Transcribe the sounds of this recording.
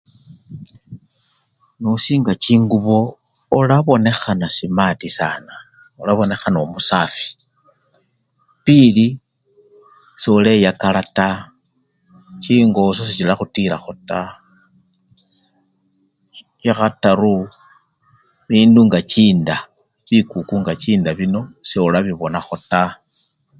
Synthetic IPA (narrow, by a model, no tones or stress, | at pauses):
nosiːŋɡat͡ʃiːŋɡuβo̞ː | laβo̞ne̞xanasimatisaːna | olaβo̞ne̞xanaomusaːfi̥ | pili | sole̞jakalata | t͡ʃiŋɡo̞s̬os̬it͡ʃilaxutiɾaxo̞ta | t͡ʃaxataɾu | βiːnduŋɡat͡ʃiːnda | βikukuŋɡat͡ʃiːndaβino̞seulaβiβo̞naxo̞ta